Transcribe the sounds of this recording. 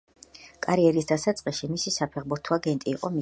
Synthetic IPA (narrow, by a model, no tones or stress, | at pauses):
kʼaɾiɛɾisd̪asat̪sʼqʼiʃimisisapʰɛʁbuɾt̪ʰɔaɡɛnt̪ʼiːqʼɔmi